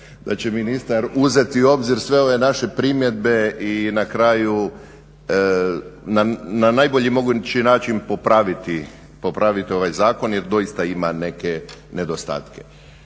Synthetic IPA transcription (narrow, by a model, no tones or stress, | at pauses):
d̪̥at͡ɕe̞minist̪aɾuze̞t̪iuo̞bziɾsʋe̞o̞ʋe̞naʃe̞pɾimje̞d̪̚be̞inakɾaːju | nananajbo̞ʎimo̞ɡut͡ʃinaːt͡ʃinpopɾaʋit̪i | po̞pɾaʋit̪io̞ʋajzaːko̞njeɾd̪o̞ist̪aimane̞kene̞d̪ost̪a̰ːt̪ke̥